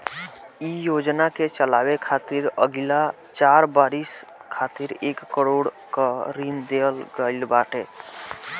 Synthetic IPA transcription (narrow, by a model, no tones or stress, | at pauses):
ijod͡ʒnaket͡ʃəlawekʰat̪iɾə̰ɡla | t͡ʃaɾbaɾiskʰat̪iɾekːəɾoɽ | kəɾind̪elɡəɪlbaʈe